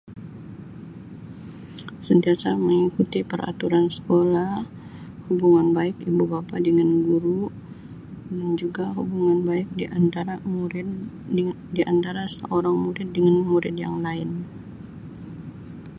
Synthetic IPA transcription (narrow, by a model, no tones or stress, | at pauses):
sənt̪iasaməŋikut̪ipəɾa̰t̪uɾansə̥kolah | hubuŋanbaɪkibubapadəŋanɡuɾu | dand͡ʒuɡaɦubuŋanbaɪk̚d̪aɾa | diʔant̪aɾasə̰ʔoɾaŋmuɾɪt̪̚dəŋanmuɾɪdja̰ŋlaɪn